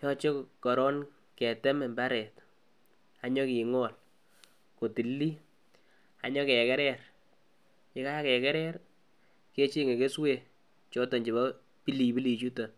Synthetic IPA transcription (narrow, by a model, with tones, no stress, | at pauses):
jɔ˦t͡ʃe˦kɔ˨ɾɔ˦n | kɛ˨tɛ˦mɛ˨mba˦ɾɛ˨t | a˦ɲɔ˦ki˨ŋɔ˨l | ko˨ti˨lːi˦ | a̰˨ɲɔ˦kɛ˨kɛ˦ɾɛ˦r | kɪ˦ka˦kɛ˨kɛ˦ɾɛ˦ɾ | ke˦t͡ʃi˦ŋe˨ke˦swe˦˨ | t͡ʃo˦tɔ˨ɲd͡ʒi˨ba˦ | pi˦li˨bi˦li˨t͡ʃu˦ta˨